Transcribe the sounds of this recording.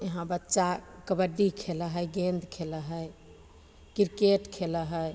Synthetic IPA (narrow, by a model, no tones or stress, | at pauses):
jəɦãbətːʃakəbəɖːikʰeləɦəjɡẽnd̪kʰeləɦəj | kiɾkeʈkʰeləɦəj